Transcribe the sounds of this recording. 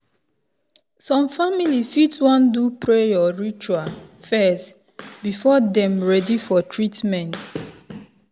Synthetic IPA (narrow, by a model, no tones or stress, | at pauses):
sɔ̃mfamilifitwɔ̃ndupɹejɔɹit͡ʃuafɛst | bifɔdɛ̃mɹɛdifɔtʰɹitmɛ̃nt